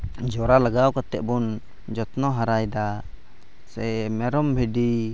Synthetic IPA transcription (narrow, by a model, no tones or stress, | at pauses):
d͡ʒɔɾalaɡawkat̪ɛ̰ʔ̚bun | d͡ʒɔt̪nɔɦaɾajd̪a | sɛmɛɾɔmbʱiɖi